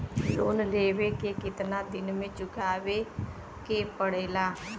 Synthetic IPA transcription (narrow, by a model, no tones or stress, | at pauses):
loːnleːʋekekɪt̪nad̪ɪnmẽt͡ʃʊkʰaːʋe | kepəɽeːlaː